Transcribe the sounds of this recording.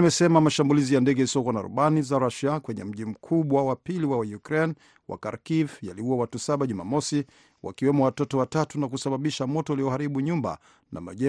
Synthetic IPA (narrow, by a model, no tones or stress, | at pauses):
mɛsɛmamaʃambulizijandɛɡɛisɔkwana̰ɾṵɓanizaɾaʃiakwɛɲɛ̰m̩ʄim̩kʰuɓwawapiliwawajukɾɛn | wʔa̰kaɾkivjaliuwawatusaɓaʄuma̰mɔsi | wa̰kiwɛmɔwatɔtɔwatatunak̬usaɓaɓiʃamɔtɔliɔhaɾiɓuɲumba̰ | nʔa̰ma̰ʄɛ